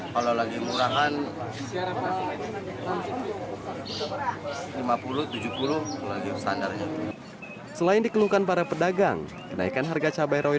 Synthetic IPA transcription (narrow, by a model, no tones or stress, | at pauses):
kalalaɡimuɾaɦan | ɾa | a | limapuluht̪ud͡ʒupulʊhkalaɡist̪andarɲat̪u | səlaɪndikəlukanpaɾapədaɡaŋ | kəna̰ikanɦarɡat͡ʃabajɾʔoi